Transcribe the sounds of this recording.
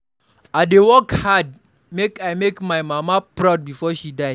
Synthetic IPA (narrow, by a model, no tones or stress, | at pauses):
adewɔkhad̚ | mekajmekmajmamapɹaʊd̚bifɔʃidaɪ